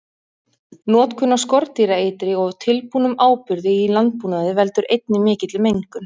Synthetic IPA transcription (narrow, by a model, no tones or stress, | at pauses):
nɔːt̪kʰʏnːaskɔɾt̪iɾaejt̪ɾɪɔɣt̪ʰɪlpuːnʏmaːwpʏɾðɪilant̪̚puːnaðɪvɛlt̪ʏɾejt̪nɪmɪːcɪt̪lɪmejŋkʏn